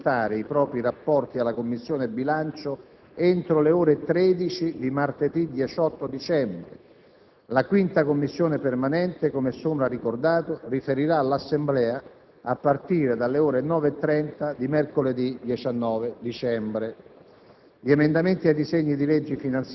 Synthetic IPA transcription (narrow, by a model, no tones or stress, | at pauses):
t̪aːɾeipɾɔːpɾirapːɔrt̪ialːakomːisːjoːnebilant͡ʃo | ent̪ɾoleoːɾet̪ɾɛːd̪it͡ʃid̪imart̪ed̪id̪jɛt͡ʃɔt̪ːod̪it͡ʃɛmbɾe | lakwint̪akomːisːjoːnepermanɛnt̪ekomɛsːombɾarikord̪aːt̪orifeɾiɾaːlːasːemblɛːa | apːart̪iːɾed̪alːeoːɾenɔːvet̪ːɾɛnt̪ad̪imɛrkoled̪id̪jɛt͡ʃanːɔːved̪it͡ʃɛmbɾe | ʎiemend̪ament̪iajd̪izeɲːid̪ilɛd͡ʒːifinant̪s